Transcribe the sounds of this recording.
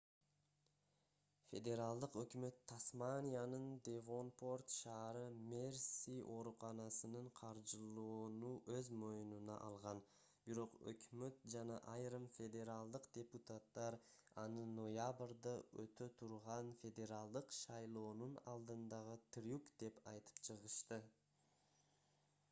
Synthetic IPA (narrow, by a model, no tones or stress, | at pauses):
fʲe̞d̪ʲe̞ɾalˠd̪ɯqø̞kmø̞t̪ʰːasmanʲijanɯnd̪ʲevo̞npo̞rt̪ʃɑːɾɯmʲersiʔo̞ɾuqɑnɑsɯnɯɴqʰɑɾd͡ʒɯlˠuːnuʔøzmo̞jununɑʔɑlˠʁɑn | biɾo̞qɵ̰kmø̞t̪̚d͡ʒɑnɑʔɑjɾɯmfʲe̞d̪ʲe̞ɾalˠd̪ɯqd̪ʲe̞put̪at̪ːɑɾɑnɯno̞jabrd̪əøt̪øt̪ʰuɾʁɑnfʲe̞d̪ʲe̞ɾalˠd̪ɯqʃɑjlˠo̞ːnunɑlˠd̪ɯnd̪ɑʁɯt̪ʰɾʲukd̪̥e̞pɑjt̪ʰɯ̥pt͡ʃʰɯʁəʃt̪ɯ